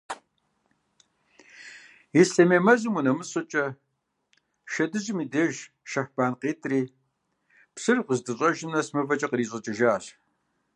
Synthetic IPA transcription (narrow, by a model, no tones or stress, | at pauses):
isɬɐmeːmɐzɨmunɐmɨɕʼɨt͡ʃʼɐ | ʃɐdɨʑɪmiːdɐʒ | ʃɐħb̥aːnqeːtʰriː | psɨrqəzdɨɕʼɐʒɪnɐsmɐvɐt͡ʃʼɐqəriːɕʼɐt͡ʃʼɪʒaːɕ